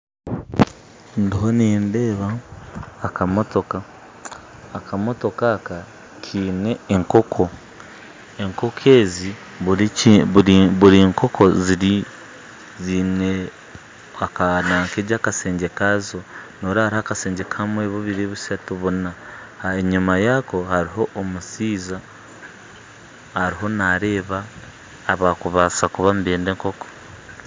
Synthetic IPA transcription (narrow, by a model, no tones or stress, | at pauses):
ndiɦoniːndeːβaː | kamoto̞kaː | kʰamo̞to̞kaːka | kʰiːne̞ːŋko̞kʰo | eŋko̞kʰe̞ːzi | βuɾiŋko̞kʰoziɾi | zine | akanaːŋkeːɟaːkase̞ːɲɟe̞kazo̞no̞ːɾahaɾihaːkase̞ːɲɟe̞kamweːβoβiɾeːβusatuβuna | heɲumajako̞haɾiɦo̞ʔːmusiːza | haɾiɦo̞naɾe̞ːβaː | βakuβasakuβambeːnde̞ːŋko̞ko̥